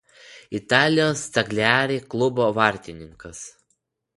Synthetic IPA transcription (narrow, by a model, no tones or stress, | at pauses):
ɪt̪ɑːlʲɪjoːst̪ɐɡʲlʲæːɾʲeːklˠʊboːʋɐˑɾʲt̪ʲɪnʲɪŋkɐs